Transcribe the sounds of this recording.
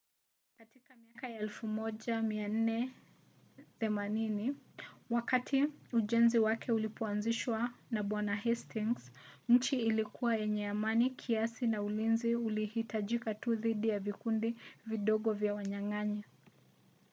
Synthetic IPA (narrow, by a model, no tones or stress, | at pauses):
katikamiakajaɛlfumɔʄamian̩nɛ | θɛmaniniwakatʰiuʄɛnziwakʰɛulipʰɔanziʃwanaɓwanaɦɛstiŋsɲ̩t͡ʃiːlikuwajɛɲɛamanikʰiasinaulinziulihitaʄikatuðiɗijavikundiviɗɔɠɔvjawaɲaŋaɲɛ